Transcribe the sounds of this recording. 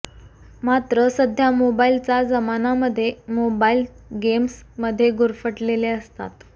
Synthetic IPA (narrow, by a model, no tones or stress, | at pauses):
mat̪ɾəsəd̪ʱjamobailt͡sad͡zəmanaməd̪ʱːjemobail | ɡemsməd̪ʱːjeɡuɾfəʈleleəst̪a̰t̪